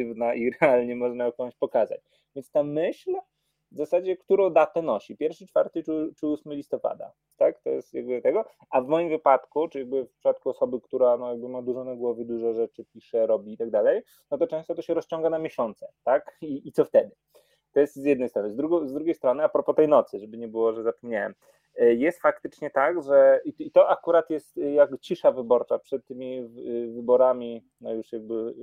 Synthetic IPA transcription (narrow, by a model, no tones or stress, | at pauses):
ɘvnaʔiɾɛalɲɛmɔʐnajɔkɔɔɕt͡ɕpɔkaza̰t͡ɕ | vʲjɛntst̪amɘɕl | vzasad͡ʑɛkt̪uɾɔ̃w̃d̪at̪ɛnɔɕipʲjɛɾfʂɘt͡ʂfa̰ɾt̪ɘt͡ʂɘt͡ʂɘusmɘlʲist̪ɔpa̰d̪a̰ | t̪akt̪ɔjɛst̪ja̰ɡ̚bɘt̪ɛɡɔ | avmɔjimvɘpat̪kut͡ʂɘjaɡbɘfpʂɨpat̪kuɔsɔbɘkt̪uɾanɔjaɡbɘmad̪uʐɔnaɡwɔvʲəd̪uʐɔʐɛt͡ʂɘpʲiʂɛɾɔbʲiit̪aɡ̚d̪alɛj | nɔt̪ɔt͡ʂɛ̃w̃st̪ɔt̪ɔɕɛɾɔst͡ɕɔ̃ŋɡanamʲjeɕɔnt̪sɛt̪akiːt̪sɔft̪ɛd̪ɘ | t̪ɔjɛst̪zjɛd̪nɛjst̪ɾɔnɨzd̪ɾuɡɔzd̪ɾuɡʲejst̪ɾɔnɘapɾɔpɔt̪ɛjnɔt̪sɘʐɛbɘɲɛbɘwɔʐɛzapɔmɲawɛm | jɛst̪fakt̪ɘt͡ʂɲɛt̪aɡʐɛit̪ɔʔakuɾat̪jɛst̪jakt͡ɕiʂavɘbɔɾt͡ʂapʂɛt̪̚t̪ːɘmʲivɘbɔɾamʲi | nɔjuʂjaɡ̚bɘ